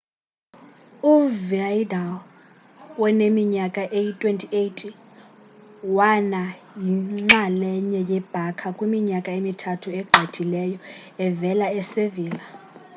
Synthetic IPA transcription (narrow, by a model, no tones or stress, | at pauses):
uviajdal | wɛnemiɲakʼaʔejitʼwentʰʼietʼi | wana | jiŋ͡ǁalɛɲɛjɛb̥ʱakʰakʼwimiɲakʼaemitʰatʰuɛɡ͡ǃʱetʰilɛjɔɛvɛlaɛseviːla